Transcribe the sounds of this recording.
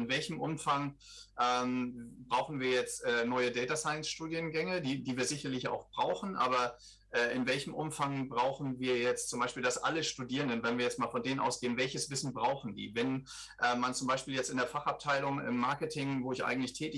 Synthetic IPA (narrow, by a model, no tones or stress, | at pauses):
ɪnvɛlçəmʔʊmfaŋ | ʔɛːmbʁaʊxn̩viːɐjɛt͡stʔɛnɔʏədɛːtasaɪnsʃtuːdjənɡɛŋədiːdiːviːɐzɪçɐlɪça̰ʊxb̥ʁa̰ʊxn̩ʔa̰ːbɐ | ʔɛːʔɪnvɛlçəm̩ʔʊmfaŋbʁaʊxn̩viːɐjɛt͡stt͡sʊmbaɪʃpiːldasʔa̰ləʃtudiːʁəndənvɛnviːɐjɛt͡stmaːlfɔndeːnənʔa̰ʊsɡ̥eːənvɛlçəsv̥ɪsn̩bʁaʊxn̩dḭːvɛn | ʔɛːmant͡sʊmbaɪʃpiːljɛt͡stɪndeɐfaχap̚tʰaɪlʊŋɪ̰mːaɐkətʰɪŋvoːɪçʔa̰ɪɡŋ̩tlɪçtʰɛːtɪ